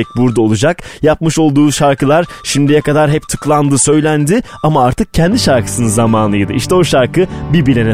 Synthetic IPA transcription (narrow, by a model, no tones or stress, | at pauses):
ɛc̚buɾd̪ao̞lˠud͡ʒakjap̚mɯʃo̞lˠd̪uːʃaɾkʰɯlˠaɾ̥ | ʃimd̪ijɛkad̪aɾɦɛp̚t̪ʰɯklˠand̪ɯsø̞jlʲænd̪ɪ | amaaɾt̪ʰɯk̚cʰɛnd̪iʃaɾkʰɯ̥sɯnɯnzamaːnlˠɯjɯd̪ɯiʃt̪ʰɛo̞ʃaɾkɯbibilʲenɛ